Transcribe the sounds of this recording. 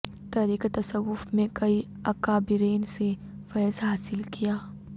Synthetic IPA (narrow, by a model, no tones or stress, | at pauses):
t̪ɐɾiːket̪ɐsəɣːʊfmẽkɐi | ɐkaːbɪɾeːnse | fɛːzɦaːsɪlkijaː